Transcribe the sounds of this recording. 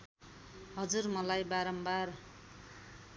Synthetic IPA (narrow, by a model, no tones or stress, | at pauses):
ɦʌd͡zurmʌlajbaɾʌmbar